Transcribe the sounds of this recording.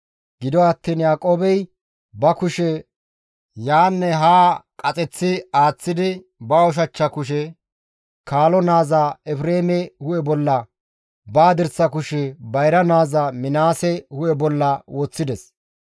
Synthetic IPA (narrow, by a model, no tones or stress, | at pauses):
ɡ̥ɪd̪ɔɐt̪ːiːnjaːkʼoːbɛj | bɐkʊʃɛ | jaːnːɛɦaːkʼɐt͡sʼɛt͡sːɪaːt͡sːɪd̪ɪ | bɐɔʃ̬ɐt͡ʃːɐkʊʃ̬ɛ | kaːlɔnaːzaɛfɾeːmɛhʊʔɛbɔlːɐ | baːd̪ɪɾsɐkʊʃɛbɐjɾɐnaːzɐmɪnaːsɛhʊʔɛbɔlːɐwoːt͡sːɪd̪ɛs